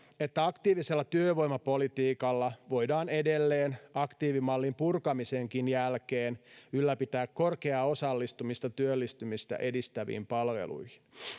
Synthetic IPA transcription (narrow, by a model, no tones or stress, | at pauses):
e̞t̪ːæɑkt̪iːʋiselːɑt̪yøʋo̞jmɑpo̞lit̪iːkɑlːɑʋo̞jdɑːne̞delːeːnɑkt̪iːʋimɑlːimpurkɑmiseŋkinjælkeːnylːæpit̪æːkko̞rkeɑo̞sɑlːist̪umist̪ɑt̪yølːist̪ymist̪æ̰ʔe̞dist̪æʋḭːmpɑlʋḛlṵjhin